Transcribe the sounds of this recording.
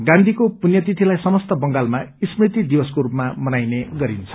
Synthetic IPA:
ɡãnd̪ʱikopunjʌt̪it̪ʰilajsʌmʌst̪ʌbʌŋɡalmaismrit̪id̪ibʌskoɾupmamʌnajneɡʌɾint͡sʰʌ̥

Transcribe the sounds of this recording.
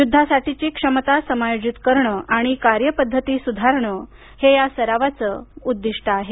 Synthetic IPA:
jud̪ʱːasaʈit͡ɕiːkʂəmət̪asəmajod͡ʑit̪kəɾɳəʔaɽ̃ikaɾjəpəd̪ʱːət̪iːsud̪ʱaɾɳə | hejasəɾaʋat͡səːud̪ːiʂʈʰəaɦe

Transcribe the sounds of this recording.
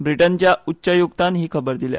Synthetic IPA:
bɾiʈənt͡ɕjautːɕəjuɡt̪anɦiːkʰəbəɾd̪ilja̰

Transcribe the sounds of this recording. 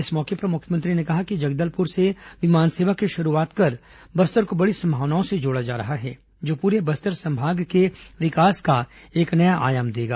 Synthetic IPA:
ɪsmɔːkepɾɐmʊkʰjmə̃nt̪ɾinekɐɦakid͡ʒɐɡd̪əlpʊɾseʋɪmaːnseːʋakiʃɐɾuaːt̪kɐɾ | bɐst̪əɾkobɐɽisɐ̃mbʱaːʋnaːõsed͡ʒoːɽad͡ʒa̰ːɾɐɦaɦɛː | d͡ʒoːpuːɾebɐst̪əɾsɐ̃mbʱaːɡkeʋɪkaːskaeːknɐjaʔa̰ːjaːmd̪eːɡa̰ː

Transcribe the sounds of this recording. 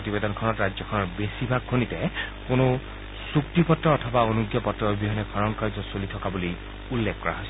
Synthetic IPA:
otibedɔnkʰɔnɔtɹazjɔkʰɔnɔɹbesibʱaɡ̚kʰːonitɛ | kʊnʊ | suktipɔtɹɔːtʰɔbaonuɡjɔpɔtɹɔbiɦɔnɛkʰɔɹɔnkaɹzɔsolitʰɔkabuli | ulːɛkʰːɔɹa̰ɦɔojs

